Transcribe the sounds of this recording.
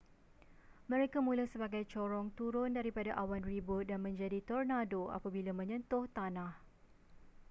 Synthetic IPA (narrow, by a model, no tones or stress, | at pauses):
mə̃ɾekamũlahsəbaɡajt͡ʃɔɾɔŋt̪uɾʊndaɾipadaʔawanribʊt̪̚danmə̃ɲd͡ʒadit̪ɔrnadoa̰pabilamə̃ɲə̃nt̪ʊht̪anãh